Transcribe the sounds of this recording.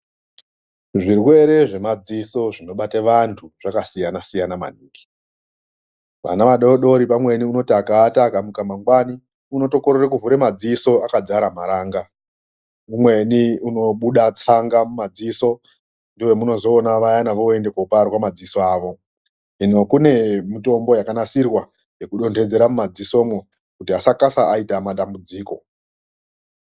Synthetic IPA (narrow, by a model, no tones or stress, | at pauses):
ʐirwe̞ɾe̞ʐe̞mad͡ziso̞ʐino̞ɓateʋantʰuʐ̥akasijanasijanama̰niːki̥ | ʋa̰naʋaɗoɗo̞ɾipamwe̞niuno̞takaːtakamukamaŋɡwani | uno̞to̞koɾerekuvuɾemad͡ziso̞akad͡zaɾamaɾaːŋɡa | umwe̞niuno̞ɓuɗat͡saŋɡamumad͡ziːso̞ | ndiwe̞muno̞zo̞ːnaʋajanaʋo̞e̞nde̞koparwamad͡ziso̞aːʋo̞ | ino̞kune̞mito̞mbo̞jakanasirwa | je̞kuɗo̞ntʰe̞d͡ze̞ɾamumad͡ziso̞mwo | kutiasakasaaitamaɗambud͡ziːko̞